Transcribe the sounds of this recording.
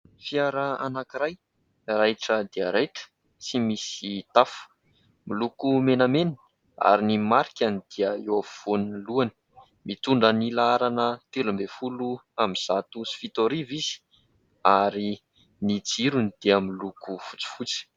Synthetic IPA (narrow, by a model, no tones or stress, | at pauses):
fiaɾəanakiɾaj | rajʈ͡ʂəd̪iaɾet̪ə̥ | simisit̪afu̥ | milukumenamenə | a̰ɾinimaɾikʲanid̪̥iəeavv̥oniluani̥ | mit̪uɳɖ͡ʐənilaaɾanət̪elumbefuluamiz̥at̪usi̥fit̪oɾivizi̥ | aɾi | nid͡ziɾunid̪̥iəmilukufu̥t͡si̥fut͡si̥